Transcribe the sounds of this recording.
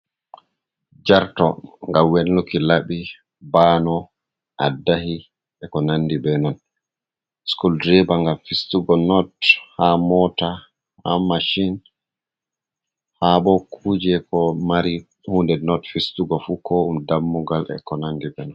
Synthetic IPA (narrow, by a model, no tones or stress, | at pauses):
d͡ʒaɾtɔ̰ŋɡamwɛnːukilaɓi | baːnɔ | ʔadːahi | ɛkɔnandibɛnɔn | skuldɾɛbaŋɡamfistuɡɔnɔthamɔta | ha̰maʃin | haɓɔkʰuːd͡ʒɛkɔmaɾi | huːndɛnɔtfistuɡɔfukʰɔumdamːuɡalɛ̰kɔnandibɛnɔn